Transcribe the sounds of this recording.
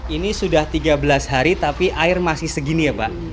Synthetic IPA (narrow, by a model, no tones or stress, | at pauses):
inisudaht̪iɡabəlasɦaɾit̪apiʔaɪrmasɪhsəɡinijapaʔ